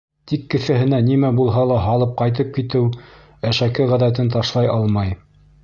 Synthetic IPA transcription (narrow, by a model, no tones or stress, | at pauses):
t̪ikːɘ̆θæɦɘ̆nænimæbulˠɦɑlˠɑɦɑlˠɤp̚qɑjt̪̬ɤp̚kit̪ɘw | æʃækɘʁæðæt̪ɘnt̪ɑʃlˠɑjɑlˠmɑj